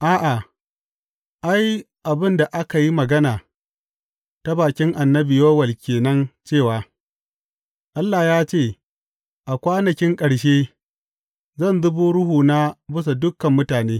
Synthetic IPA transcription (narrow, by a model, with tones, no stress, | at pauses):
ʔaː˦ʔa˨ | ʔa˦j | ʔa˨bɪ˦nda˨ʔa˦ka˨ji˦mɐ˨ɡɐ˦naː˨ | ta˦baː˨kʲɪ˦ŋʔa˨nːɐ˦bɪ˨joː˦wɐ˨lkʲeː˨nɐ˦nt͡ʃeː˦˨waː˨ | ʔa˦lːa˨jaː˦t͡ʃeː˦˨ | ʔa˨kʷaː˦nɐ˨kʲɪ˦ŋkʼɐ˨ɽʃeː˦ | zɐ˦˨nzʊ˦buː˦ɽʊ˦huː˨na˦bʊ˦s̬a˨dʊ˦kːɐ˨mːʊ˦taː˨neː˦